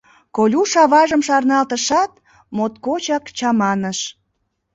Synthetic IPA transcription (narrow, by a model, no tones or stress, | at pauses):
kolʲuʃɑβɑʒəmʃɑrnɑlt̪əʃɑt̪ | mot̪kot͡ɕɑkt͡ɕɑmɑnəʃ